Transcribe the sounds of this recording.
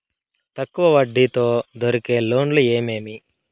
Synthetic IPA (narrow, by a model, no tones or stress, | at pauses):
t̪ɐkːuʋɐʋɐɖːit̪oːd̪oɾike̞ːlo̞ːnlue̞ːmeːmi